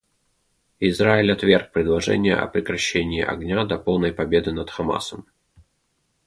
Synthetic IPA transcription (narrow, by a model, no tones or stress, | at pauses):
ɪzɾaɪlʲɐt̪vʲerk̚pɾʲɪd̪lˠɐʐɛ̰nʲɪjə̰ʔɐ̰pɾʲɪkɾɐɕːenʲɪːʔɐ̰ɡnʲad̪ɐpolˠnəjpɐbʲe̞d̪ɨnɐt̪xɐma̰səm